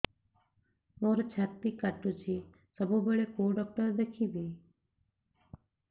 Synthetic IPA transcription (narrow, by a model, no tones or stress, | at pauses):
moːɾt͡ʃʰat̪ːikaʈut͡ʃʰi | səbubəɭekoɖɔk̚ʈəɾd̪ekʰibi